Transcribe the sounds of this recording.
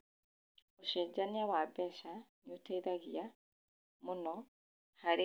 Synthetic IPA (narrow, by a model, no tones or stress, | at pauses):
oʃɛd͡ʒaniaβwabɛʃaɲutaiðaɣia | munɔ | haɾe